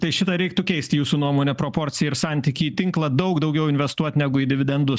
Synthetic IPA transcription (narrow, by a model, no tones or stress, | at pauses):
t̪ɐɪʃʲɪt̪ɐɾʲɛɪk̚t̪ʊkʲɛɪst̪ʲjuːsuːnuɔmoːnʲɛpɾopoɾʲt̪sʲɪjɛɪɾsɑnʲt̪ʲiːkʲiːt̪ʲɪŋklˠɐd̪ɐʊkd̪ɐʊɡʲɛʊɪnʲʋʲɛst̪uɔt̪ʲnʲɛɡʊiːd̪ʲɪʋʲɪd̪ʲɛnd̪ʊs